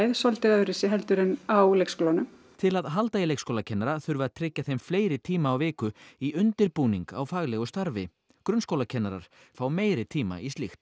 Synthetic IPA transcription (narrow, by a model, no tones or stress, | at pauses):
jðsɔlt̪ɪðœðɾɪsɪɦɛlt̪ʏɾɪnawlejkskowlanʏm | t̪ʰɪlaðɦalt̪ailejkskowlacʰɛnaɾaθʏɾvʏaðt̪ʰɾɪcːaθejmfleːjɾɪt̪ʰiːmaːwvɪːkʏiʔʏnt̪ɪɾpuːniŋka̰wfaːɣlɛɣʏst̪aɾvɪ̰ | kɾʏnskowlacʰɛnːaɾa̰ɾ̥ | fawmeːjɾɪt̪ʰiːma̰ʔisɪxt̪